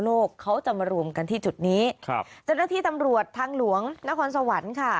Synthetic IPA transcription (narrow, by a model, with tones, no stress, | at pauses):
loː˥˩kʰːa˦˥wt͡ɕa˨˩maː˧ɾu˧əmka˧nt̪ʰiː˥˩t͡ɕu˨˩t̪̚niː˦˥kʰt͡ɕa˥˩wnaː˥˩t̪ʰiː˥˩t̪a˧mɾu˨˩ət̪ʰːaː˧ŋlu˨˩˦əŋna˦˥kʰɔː˧ns̬a˧wa˩˦nkʰa˥˩